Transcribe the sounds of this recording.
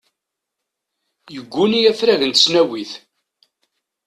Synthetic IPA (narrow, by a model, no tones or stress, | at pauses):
jəɡʷːunijæfɾæʝənt̪ə̥snæwiθ